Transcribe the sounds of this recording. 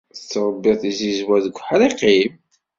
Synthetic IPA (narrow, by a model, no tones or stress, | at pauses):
θət͡sːəɾˤəbːɪθizizwæðəɡʷːħaɾiqim